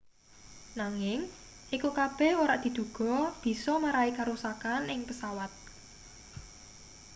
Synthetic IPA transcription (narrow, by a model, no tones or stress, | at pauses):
naŋɪŋ | ikukab̥ɛhoɾaʔd̪̥i̤d̪̥ṳɡ̥ɔ̤b̥i̤sɔmaɾaikaɾusakanɪŋpəsawat̪̚